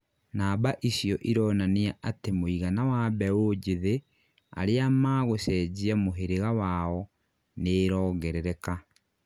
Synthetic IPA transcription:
naːbaʔisjɔʔiɾɔːnaneaʔatemoiɣanawaβɛod͡ʒeðe | a̰ɾeamaɣosɛd͡ʑiamoɦeɾeɣawaɔ | neːɾɔːɣɛɾɛɾɛka

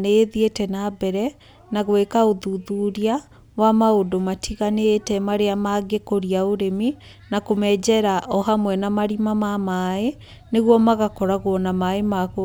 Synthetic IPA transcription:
neðietɛnabɛɾɛ | naɣwekaoðuðuɾia | wamaodomatʰiɣanetɛmaɾeamaɡekoɾiaoɾemi | nakomɛːd͡ʑɛɾaʔɔɦamwɛnamaɾimamamae | neɣwɔmaɣakɔɾaɣoɔnamaemako

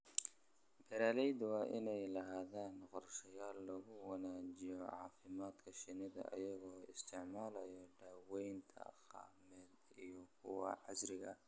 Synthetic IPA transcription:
bɛɾaːlɛjd̪wɑːʔɪnɛjlɐɦaːðaːnqɔrʃɐjaːlːɐɣʊwɐnaːt͡ʃɪjɔʕɑːfɪmaːd̪kʰɐʃɪnɪðɐ̰ʔɐ̰jɐɣɔːɪst̪ʰɪʕmaːlɐjɔɖaːwɛjnt̪ʰɐ̰qɑ̰ːmɛːd̪ijɔkʰʊwɑ̰ʕɑsɾɪɣɐ̰

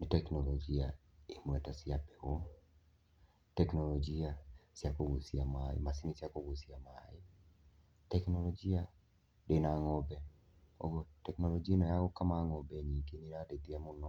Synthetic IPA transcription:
nɪtɛknɔlɔd͡ʒia | emwɛtasiapɛo | tɛknɔlɔd͡ʒiasiakoɣosiamaḛmasinisiakoɣosiamae | tɛknɔlɔd͡ʒia | denaŋɔbɛ | o̰ɣotɛknɔlɔd͡ʒianɔjaɣɔkamaŋɔbɛɲikeneɾaded̪iamonɔ

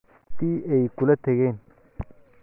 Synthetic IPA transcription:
t̪iːɛjkʊlɐt̪ʰɐɣɛːn

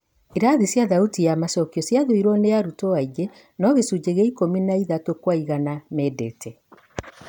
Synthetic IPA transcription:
iɾaðisjaðautijamasɔkiɔsjaðoiɾɔnejaɾutɔaiɡe | nɔβesud͡ʑeɣeikominaiðatokwaiɣanamɛdɛtʰɛ

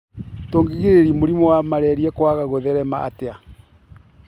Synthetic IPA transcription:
toːŋɡeɣeɾeɾimoɾimɔwamaɾɛɾiɛkwaɣaɣoðɛɾɛmaa̰tea

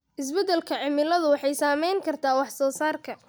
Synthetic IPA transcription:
ʔɪs̬bɛd̪ɛlkʰɐʕɪmɪlɐðʊwɑħɑjsaːmɛjŋkʰɐrt̪ʰaːwɑħsɔːsaːrkʰɐ

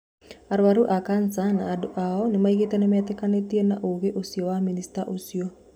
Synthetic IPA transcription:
aɾuwaɾuʔakansanaːduʔaɔnimaikit̪ənemɛt̪ekanet̪iənaʔuɡeʔusioaminist̪aʔusio

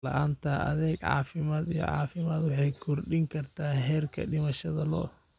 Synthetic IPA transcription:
lɐ̰ʔaːnt̪ʰɐʔɐ̰ðɛːɡʕɑ̰ːfɪmaːd̪ijɔ̰ʕɑ̰ːfɪmaːd̪wɑħɑjkʰɔrɖɪŋkʰɐrt̪ʰaːɦɛːrkʰɐ̰ɖɪmɐʃɐðɐlɔ̰

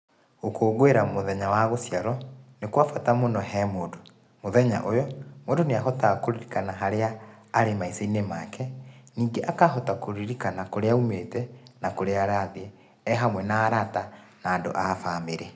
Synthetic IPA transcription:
okoːɣweɾamoðɛɲawaɣosjaɾɔnekwafatamonɔɦɛːmoːdo | moðɛɲa̰ʔojɔmoːndoneaɦɔtakoɾiɾikanaɦaɾeaː | ɾemaiseinemakʰɛniːŋɡeʔakaɦɔtakoɾiɾikanakoɾeaumetɛnakoɾeaɾaðeɛ | ɛɦamwɛnaːɾata | naːndo̰ʔafameɾɛ

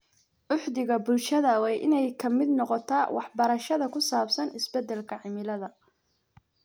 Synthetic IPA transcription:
ʔʊħd̪ɪɣɐbʊlʃɐðɐwɛjʔɪ̰nɛjkʰɐmɪd̪nɔqɔt̪ʰaːwɑħbɐɾɐʃɐðɐkʰʊsaːbsɐnɪsbɛd̪ɛlkʰɐʕɪmɪlɐðɐ

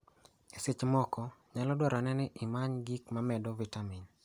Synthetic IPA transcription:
eset͡ʃmɔkɔɲalɔdwaɾanɛnɪʔɪmaɲɡikmamɛdɔvitamin

